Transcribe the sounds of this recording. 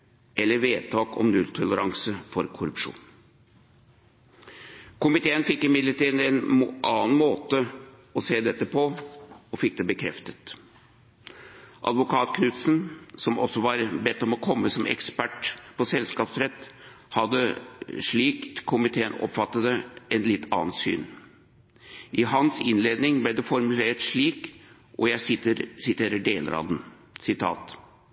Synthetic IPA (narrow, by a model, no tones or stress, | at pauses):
ʔɛlːəɾʋeːt̪ʰɑːkɔ̰mnʉlt̪ʰɔləɾɑŋsəfɔɾkʰʊɾʉpʂṵːn | kʊmɪt̪ʰeːənfɪkːɪmɪd̪ləɾʈiːd̪ən̩ɛnʔɑːn̩moːt̪ə | ɔseːd̪ɛt̪ːəpʰɔɔfɪk̚ːd̪ɛbəkʰɾɛft̪ət̪ | ʔɑ̰d̪ʋʊkʰɑːt̪kʰnʉt̪snsɔmɔsɔʋɑɾbɛt̪ːɔmɔkʰɔmːəsɔmɛ̰kspæʈpʰɔsɛlskɑːpsɾɛt̪ː | hɑd̪ːəʂɭiːkkʰʊmɪt̪ʰeːənɔ̰pfɑt̪ːəd̪əɛnlɪt̪ʰːɑ̰ːnt̪sy̰ːn | ʔɪɦɑnsɪnleːd̪nɪŋblɛd̪ɛfɔɾmʉleːʈʂɭiːk | ʔɔjæɪst̪əɾsɪt̪ʰeːɾəɖeːlə̰ɾɑ̰d̪n̩ | sɪt̪ʰɑ̰ːt̪